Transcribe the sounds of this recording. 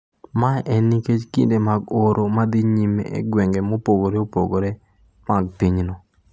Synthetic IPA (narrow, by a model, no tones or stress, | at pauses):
maɛniket͡ʃkḭndemaɡoɾʔomad̪iɲimḛʔḛɡwɛŋɡɛmopoɡoɾeopo̰ɡoɾe | maɡ̚piɲnɔ